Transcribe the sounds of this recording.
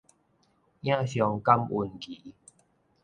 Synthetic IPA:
j̃ã˦˧˨ɕjɔ˧ŋka˦˧mu˧nki˨˦

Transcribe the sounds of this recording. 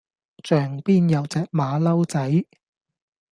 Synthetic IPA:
t͡ʃœː˨˩ŋpiː˥njɐ˨˧wt͡sɛː˨k̚maː˨˧lɐ˥wt͡sɐ˨˥j

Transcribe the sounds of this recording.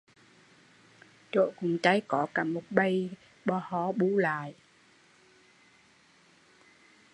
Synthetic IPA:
t͡ɕo̰˧˨jkʊ˨˩ŋ͡mt͡ɕa˨˦jkɔ˧˨˦kaː˨˩mo˨˩t̚ɓə˧j | ɓɔ˧hɔ˨˦ɓu˨˦la̰ː˧˨j

